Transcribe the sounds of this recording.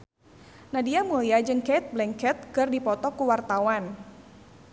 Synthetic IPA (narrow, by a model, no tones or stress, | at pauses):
nadiamuliad͡ʒɨŋket̪̚blɛŋkɛt̪̚kɨrdipɔt̪ɔkuwart̪awan